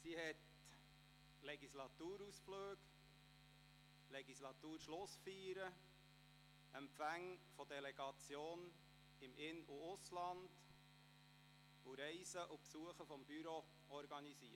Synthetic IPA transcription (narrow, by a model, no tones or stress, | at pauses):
sihɛt | lɛɡislɑt̪uːɾusfløːɡ | lɛɡislɑt̪uːɾʃlʊsfyːɾə | ɛmpfæŋfɔd̥̪ɛlɛɡ̥ɑt͡sjoːn | ɪmʔɪnuʊslɑnd̪̥ | uɾɛɪsəʔupsuəχəfɔmbyɾo | ɔɾɡɑniziə